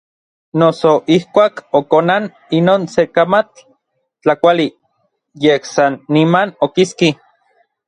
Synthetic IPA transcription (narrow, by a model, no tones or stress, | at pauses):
nosoʔihkʷaːkokonan | inoːnsekamat͡ɬ | t͡ɬakʷali | jehsanːimanokiski